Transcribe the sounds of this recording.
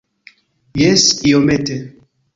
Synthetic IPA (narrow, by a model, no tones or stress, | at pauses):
jɛsiomete